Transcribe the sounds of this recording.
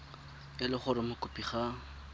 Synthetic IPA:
kɪlɪχʊɾɪmʊkʊpiχa

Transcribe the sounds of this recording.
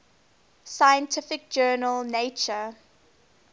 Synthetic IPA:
sajə̃ntʰɪfɪk̚d͡ʒɜːnəlˠneɪt͡ʃə

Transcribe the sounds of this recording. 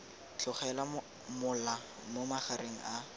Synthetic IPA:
t͡ɬʰʊχɛla | mʊla | momaχaɾʔeŋ̩ʔa

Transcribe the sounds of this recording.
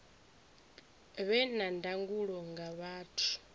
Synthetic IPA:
βɛnandaŋɡuɺɔŋɡaβaːtʰu̥

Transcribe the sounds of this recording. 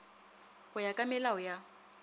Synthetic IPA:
ɣʊjakʼamɪlaʊja

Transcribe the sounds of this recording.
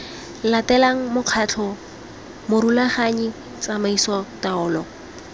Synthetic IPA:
latɛlaŋ̩mʊq͡χʰat͡ɬʰɔ | mʊɾulaχaɲi | t͡samaisɔtaɔːlɔ

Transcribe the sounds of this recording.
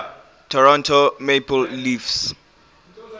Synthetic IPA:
tʰɔɹɔ̃ntʰomepʰɔllifs

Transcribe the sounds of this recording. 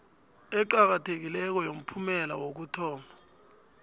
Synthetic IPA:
ɛǃak̬atʰek̬ilɛk̬ɔjom̩pʰumɛla̰wok̬utʰɔːmbʱa

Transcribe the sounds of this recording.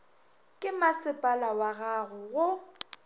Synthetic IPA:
kʼɪmasɪpʼalawaɣaɣʊɣʊ

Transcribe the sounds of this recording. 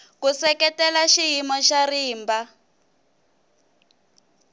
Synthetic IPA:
kusɛkɛtɛlaʃiɦimɔʃariːmba

